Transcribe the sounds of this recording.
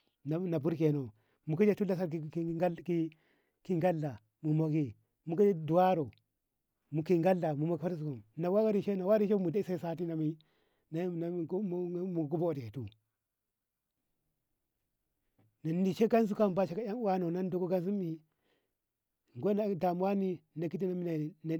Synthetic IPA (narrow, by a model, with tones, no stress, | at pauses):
na˨˦na˨bu˦ɾke˨no˨ | mu˨ka˦d͡ʒe˦tu˦la˦s̬a˦ɾi˦˨i˦ki˦ | ki˦ŋɡa˦lːa˨ | mu˨mo˨ɡi˦ | mu˨ka˦d͡ʒe˦du˨wa˦ɾo˨ | mu˨ki˦ŋɡa˦lːa˨mu˨mo˨ɡfa˦ɾs̬u˨ko˨mna˨wa˦ɡa˦ɾi˨ʃe˦na˨wa˦ɾi˦ʃe˦mu˨da˦i˦sa˦i˨sa˦ti˦na˨mi˦ | na˦˨na˨ɡmu˨ɡu˦bo˦˨di˨e˨tu˦ | na˨ni˨ʃe˦ɡa˦ns̬u˦ka˦mba˦ʃe˨ka˦ja˦ŋ˦wa˦no˨na˦n˦do˦˨ko˦ɡa˦ns̬u˦mi˦ | ŋ˨ɡo˦na˦˨da˨mwa˦ni˦na˨ki˦ti˦na˨mi˦na˨na˨